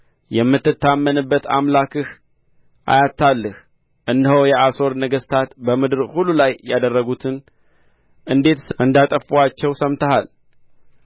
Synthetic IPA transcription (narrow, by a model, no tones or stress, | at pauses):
jɛmːɨt̪ːɨt̪ːamːənɨbːət̪a̰mlakɨh | ʔa̰jat̪ʰːalːɨh | ʔɨnd̪əhəwjɛʔaso̞ɾnəɡəst̪ʰat̪bəmɨd̪ɨɾhulːulajːad̪ərːəɡut̪ʰɨn | ʔɨnd̪e̞t̪ʔɨnd̪at̪ʼəfuat͡ʃːɛwsəmt̪əhal